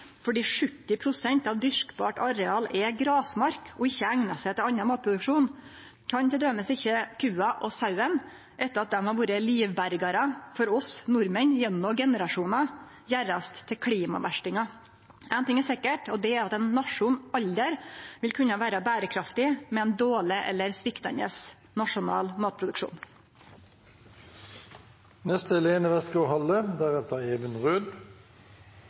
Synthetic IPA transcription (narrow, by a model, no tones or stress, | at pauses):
fɔɖiːʂʉt̪ːɪpʰɾʊsɛnt̪ɑʋd̪ʏʂkbɑːʈɑɾɛɑːlɛɡɾɑːsmɑɾkɔɪçːəæŋnɑsɛt̪ʰɛɑnːɑmɑːt̪̚pʰɾʊd̪ʉkʂuːn | kʰɑnt̪ɛd̪øːməsɪçːəkʰʉːɑʔɔsɑʉən | ʔɛt̪ːəɾɑt̪̚d̪ɛmhɑɾʋuːɾəliːʋbæɾɡɑɾəfɔɾɔsnʊɾmənjɛnːɔɡɛnəɾɑʂuːnɑ | jæɾɑst̪ʰːɪlkʰliːmɑ̰ʋæʂʈɪŋɑ | ʔæɪnt̪ɪŋæsɛkːəʈɔd̪ɛæɾɑt̪ɛnːɑʂʊnɑʎd̪əɾʋɪlkʰʉnːɑʋæːɾɑbæːɾəkʰɾɑft̪ɪmɛɛnd̪oːlɪʔɛ̰lːəɾsʋɪkt̪ɑ̰nə̰s | nɑʂʊnɑ̰ːlmɑːt̪̚pʰɾʊd̪ʉkʂṵːn | nɛst̪əɛleːnəʋɛst̪koːɦɑlːəd̪æʁɛt̪əeːʋənʁøːd̪